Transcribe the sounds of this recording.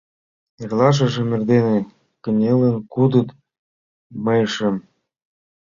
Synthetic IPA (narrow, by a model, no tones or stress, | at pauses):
erlɑʃ̬ɤ̆ʒĕmĕrd̪enĕ | kə̆nʲelĕnkud̪ɤ̆t̪ | mɤjɤʃĕm